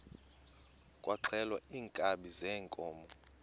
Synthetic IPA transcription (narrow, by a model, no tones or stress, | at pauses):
kʼwʔaǀʰɛlwaiːŋkʼaɓizɛːŋkʼɔːmɔ